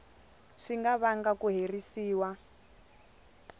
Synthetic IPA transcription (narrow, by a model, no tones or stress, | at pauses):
ʂiŋɡaβaŋɡakuɦerisiːwa